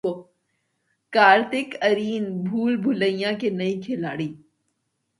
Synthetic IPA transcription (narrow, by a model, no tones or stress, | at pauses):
o | kaːɾt̪ɪkɐɾiːnbʱuːlbʱʊləĩjãkenɐĩkʰɪlaːɽiː